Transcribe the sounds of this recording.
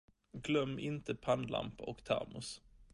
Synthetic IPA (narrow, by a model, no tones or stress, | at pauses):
ɡlœmːɪnt̪əpʰanla̰mpɔkt̪ʰɛ̰ɾmʊs